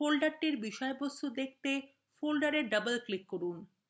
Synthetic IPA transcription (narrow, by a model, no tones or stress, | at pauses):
folɖaɾʈiɾbiʃɔebost̪ud̪ek̚t̪e | folɖaɾeɾɖəbəlklikːoɾun